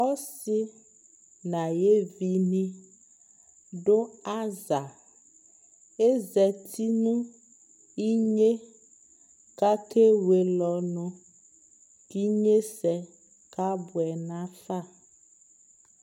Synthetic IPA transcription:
ɔ˦si˦ | nã˨je˦vi˦nĩ˦ | ɖo˦a˦za˨ | e˦zɛ˨t̪ʰi˦nũ˦ | i˦ɲe˦ | ka˦kʰe˦we˨lɔ˨nũ˨ | ki˦ɲe˦sɛ˨ | ka˦bu˨ɛ˨nã˦fa˦

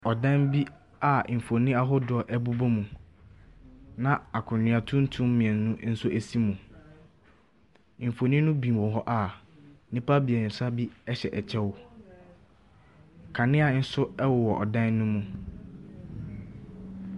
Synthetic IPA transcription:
ɔ˨dã˦nbi˦ | a˨m̩˨fo˨nĩ˦a˦ɦʊ˦dʊ˨ɔ˨ʔɛ˦bu˦bo˦mũ˨ | nã˨a˨kʰʊ̃˨nɪ̃˨a˨tʰʊ̃˦n̩˦tʰũ˦m˦mĩ˨ɛ̃˨nː˦ʊ̃˦n̩˦sʊ˦ʔæ˨si˦mũ˨ | m̩˨fo˨nĩ˦nʊ̃˦bĩ˨wɔ̃˨ɦɔ˦ʔa˨˦ | nĩ˦pa˦bi˨ɛ̃˨sʊ˦a˦bi˦ɛ˦ɕɛ˨ʔɛ˨t͡ɕʰɛ˦wʊ˨ | kʰã˨nɪ̃˦a˨˦n̩˦sʊ˦ɛ˦wʊ˨wɔ˨ʔɔ˨dã˦nːũ˦mũ˨

